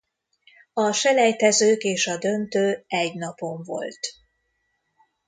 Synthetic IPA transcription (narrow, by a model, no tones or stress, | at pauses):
ɒʃɛlɛjt̪ɛzøːkeːʃɒd̪ø̞nt̪øːɛɟnɒpo̞ɱvo̞̰lt̪